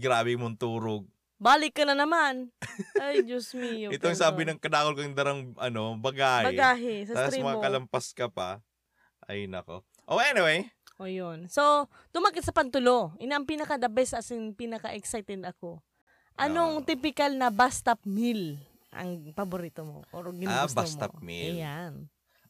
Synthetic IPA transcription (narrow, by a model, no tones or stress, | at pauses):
ɡɾaːbɪmont̪uːɾoɡ̚ | baːlɪkːɐnɐnɐmanʔajd͡ʒosmijoɛt̪oŋsaːbɪnɐŋkɐd̪aːkolkoŋd̪ɐɾɐŋʔɐno̞bɐɡaːhbɐɡaːɦɪsɐaɾsimɐŋakɐlɐmpɐskɐpɐ | ʔɐ̰jnɐ̰ko̰ | ʔoʔɛnɪwɛjʔojonso | t̪ʊmakɪt̪̚sɐpɐnt̪ʊloʔɪnaʔɐŋpiːnɐkɐd̪ɐbɛsɐsɪnpiːnɐkɐʔɛksajt̪ɛd̪ɐko̞ | ʔɐnoŋt̪ipɪkɐlnɐbast̪ɐp̚mil | ʔɐ̰ŋpɐboɾiːt̪omo̰ʔoɾɡɪnabasmɐp̚mḭljan